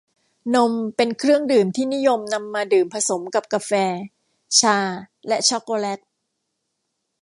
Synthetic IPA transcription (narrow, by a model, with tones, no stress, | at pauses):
no˧mpe˧nkʰɾɯ˥˩əŋdɯː˨˩mt̪ʰiː˥˩ni˦˥jo˧mna˧mːaː˧dɯː˨˩mpʰa˧so˩˦mka˨˩p̚kaː˧fɛː˧ | t͡ɕʰaː˧ | lɛ˦˥ʔt͡ɕʰɔ˦˥kːoː˧lɛ˦˥k̚